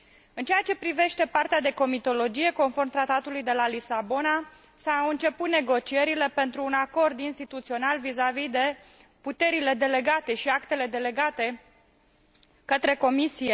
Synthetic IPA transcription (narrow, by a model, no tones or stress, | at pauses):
ɨnt͡ʃejat͡ʃe̞pɾive̞ʃt̪e̞part̪ead̪e̞ko̞mit̪o̞lo̞d͡ʒije̞ko̞nfo̞rmt̪ɾat̪at̪ulujd̪e̞lalisabo̞na | saɨnt͡ʃe̞put̪ne̞ɡo̞t͡ʃie̞ɾile̞pe̞nt̪ɾuːnako̞rd̪inst̪it̪ut̪sio̞nalvizavid̪e̞ | put̪e̞ɾile̞d̪e̞le̞ɡat̪e̞ʃiakt̪e̞le̞d̪e̞le̞ɡat̪e̞ | kət̪ɾe̞ko̞misije